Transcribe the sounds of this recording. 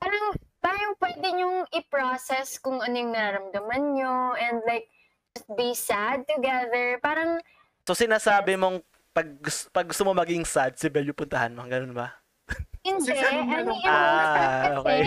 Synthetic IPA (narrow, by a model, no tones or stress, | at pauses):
paːɾɐŋpaːɾɐŋpwɛd̪ɛɲʊŋʔɪpɹosɛskʊŋʔɐnojʊŋnɐɾaɾɐmd̪ɐmɐnɲoɛ̃nd̪lajk̚ | d͡ʒɐst̪̚bisad̪̚t̪ʊɡɛðɛɹpaːɾɐŋ | sosɪnaːsaːbɪmoŋ | pɐɡ̚ɡʊspɐɡ̚ːʊst̪omomɐɡiɪŋsad̪̚sɪbɛljʊpʊnt̪ɐhanmɐŋɡɐnonbɐ | ɪndɛʔɐnojɐ | ɐoːkɛj